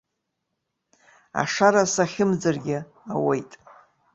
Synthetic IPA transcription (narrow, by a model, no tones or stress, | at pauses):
a̰ʂaɾasaχʲɪmd͡zɨrɡʲɪ | awejtʼ